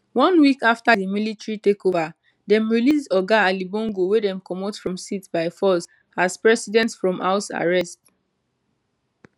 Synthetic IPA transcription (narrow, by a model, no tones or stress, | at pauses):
wɔ̃nwikaftadimilitɹitekova | dɛ̃mɹilisdɔɡaalibɔ̃ŋɡowedɛ̃mkɔmotfɹɔ̃msitbaɪfɔs | aspɹɛsidɛ̃ntsfɹɔ̃maʊsa̰ɹɛst